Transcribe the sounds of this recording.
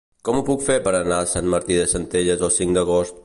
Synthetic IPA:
kɔmupukfeɾpəɾənasanməɾt̪iðəsənt̪eʎəzəlˠsiŋd̪əɣ̞ost̪̚

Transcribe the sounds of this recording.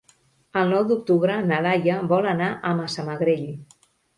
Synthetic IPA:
əlˠnɔwd̪uk̚t̪uβɾənəlajəβɔlənaʔəməsəməɣɾeʎ

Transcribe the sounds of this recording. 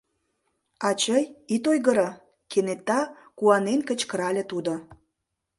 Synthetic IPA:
ɑt͡ɕəjit̪ojɣəɾə | kenet̪ːɑ | kuɑnenkət͡ɕkəɾɑlʲĕt̪ud̪o

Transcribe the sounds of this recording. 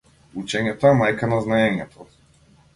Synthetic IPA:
ut͡ʃɛɲɛt̪ɔɛmajkanaznaɛɲɛt̪ʰɔ

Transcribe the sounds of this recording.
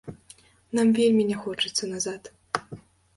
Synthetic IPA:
namvʲelʲmʲinʲɛxɔt͡ʂɨt̪sːɐnazat̪

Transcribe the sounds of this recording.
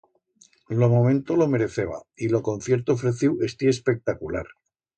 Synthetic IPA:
lo̞mõmẽnt̪o̞lo̞me̞ɾe̞θeβa̰ilo̞ko̞n̟θje̞ɾt̪oːfɾeθiwest̪iespe̞k̚t̪akulaɾ

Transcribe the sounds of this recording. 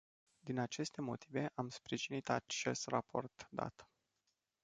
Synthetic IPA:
d̪inat͡ʃe̞st̪e̞mo̞t̪ʰive̞ʔamspɾiʒinit̪at͡ʃe̞st̪rapo̞̰rt̪d̪a̰t̪

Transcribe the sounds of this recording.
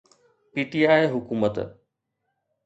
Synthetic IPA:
piːʈiaːeɦʊkuːmət̪

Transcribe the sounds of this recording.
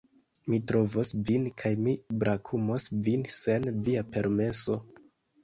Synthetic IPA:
mitɾo̞vosvinkʰajmibɾʔakʰumo̞svinse̞nviape̞ɾme̞so̞

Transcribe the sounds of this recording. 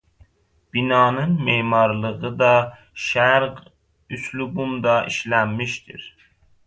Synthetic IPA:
b̥inɑːnɨnmemɑɾlˠəʁɯd̪ɑ | ʃæɾq | yslubumd̪ɑʔiʃlæmːiʃt̪ʰḭɾ

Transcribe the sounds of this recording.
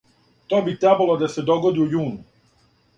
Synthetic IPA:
t̪oːbit̪ɾebalod̪ased̪o̞ɡod̪iujuːnu

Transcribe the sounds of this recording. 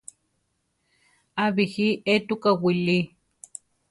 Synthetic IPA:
aβihiet̪ukawili

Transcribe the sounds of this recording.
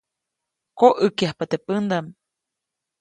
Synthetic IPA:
koʔɨkjahpat̪epɨnd̪am

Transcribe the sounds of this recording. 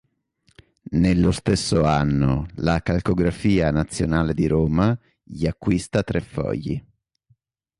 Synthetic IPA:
nelːost̪esːoanːo̰lakalkoɡɾafiːanat̪sːjo̰naːled̪iɾoːma | ʎiakːwist̪at̪ɾʔefːɔ̰ʎːḭ

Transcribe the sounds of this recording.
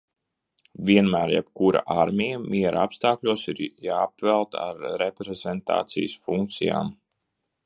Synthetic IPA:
vʲiɛnmæːɾjɛ̰pkuɾa̰ʔaɾmʲijamʔiɛɾʔaapst̪aːklʲuɔsiɾjaːpvɛlˠt̪a̰ɾːepɾezɛnt̪a̰ːt̪sḭjsfuŋk̚t̪sija̰ːm

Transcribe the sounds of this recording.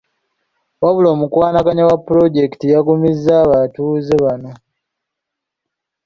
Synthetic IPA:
waβulo̞ːmukwaːnakaɲawapːuɾo̞ɟe̞ktijaɡumizːaːβatuzeβano

